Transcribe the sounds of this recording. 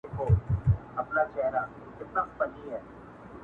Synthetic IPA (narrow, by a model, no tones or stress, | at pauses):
koːɐpnad͡ʒɛɦɾa | kɪt̪̚naspɐniɦɛː